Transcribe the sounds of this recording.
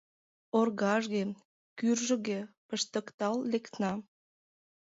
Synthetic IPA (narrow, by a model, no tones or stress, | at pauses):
orɣɑʒɣe | kyrʒə̆ɣepəʃt̪ə̆kt̪ɑlːekt̪nɑ